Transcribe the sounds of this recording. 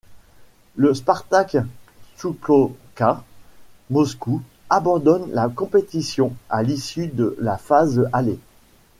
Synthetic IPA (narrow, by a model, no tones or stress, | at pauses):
ləspaʁt̪aksukloka | mɔsku | abɑ̃d̪ɔnlakɔ̃pet̪isjɔ̃alisyd̪əlafazale